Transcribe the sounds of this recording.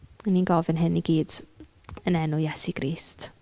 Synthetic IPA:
ninɡɔvɛnɦɪniɡiːd̥ | ənɛnʊjɛsiɡ̥ɾiːst

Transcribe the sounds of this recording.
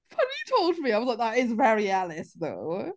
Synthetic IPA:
fʌnitʰoʊlˠdmiaɪwʌzlakaɪtsvɛɹiælɪsðo̰ʊ

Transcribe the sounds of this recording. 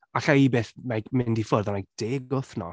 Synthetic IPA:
aɬaibeːθmaɡmɪndifɔrðɔnajɡ̚d̥eːɡʊθnɔ̰

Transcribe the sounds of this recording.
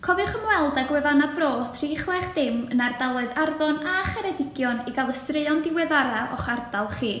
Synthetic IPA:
kʰɔvɨχəmwɛlˠdaɡwɛvanabroːθʰr̥iːχlˠɛχd̥ɪmənardalˠɔɨðarvɔnaχɛɾɛdɪɡ̥jɔniɡalˠəstrɪɔndɪwɛðaɾaɔ̰χardalˠχiː

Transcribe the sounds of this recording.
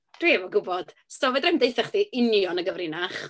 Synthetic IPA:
d̥wiɛvɔɡʊbɔd̥ | stɔvɛdrɪmdejθɛχd̥iʔɪnjɔnəɡəvrɪnaχ

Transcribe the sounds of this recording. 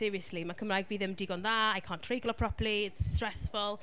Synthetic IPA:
ɪːɹiəslimakʰəmlajkviːðəmdɪɡɔnðaajkʰaːntʰrɪɡlˠɔpʰɹ̥ɔpəliɪtstɹ̥ɛsfʊlˠ

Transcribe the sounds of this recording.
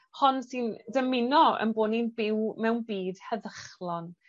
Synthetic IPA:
hɔnsɨndəmɪnɔə̰nboːninbɪwmɛwnbiːd̥hɛðəχlˠɔn

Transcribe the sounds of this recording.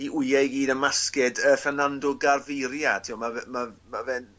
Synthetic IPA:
iʔʊjajɡiːdəmaskɛdəfɛnandʊɡarvɪɾjatʰiwmavɛmamavɛn

